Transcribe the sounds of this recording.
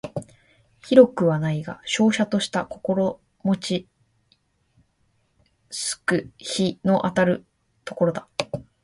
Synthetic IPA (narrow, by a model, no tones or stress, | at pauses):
çiɾo̞kɯ̟βanaiɡa̰ɕo̞ːɕat̪o̞ɕi̥t̪ako̞ko̞ɾo̞ | mo̞t͡ɕi | sɨ̥kɯ̟çino̞ʔat̪aɾɯ̟ | t̪o̞ko̞ɾo̞d̪ḁ